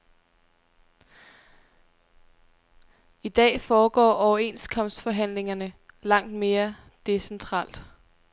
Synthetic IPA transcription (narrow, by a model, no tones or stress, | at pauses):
id̥ɛ̰ːfɒːɡ̥ɒ̰ːʔɒʊɐe̝nskʰɒ̽m̰sd̥fɒ̽ɦæn̰le̝ŋɐnəlɑ̈ŋ̰d̥me̝ːɐ | d̥e̝sent͡sʰʁɑ̰̈ːl̰d̥